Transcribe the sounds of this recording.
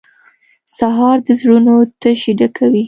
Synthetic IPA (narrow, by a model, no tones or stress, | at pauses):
saɦɑɾd̪əzɽunot̪əʃiɖ̪akʰawi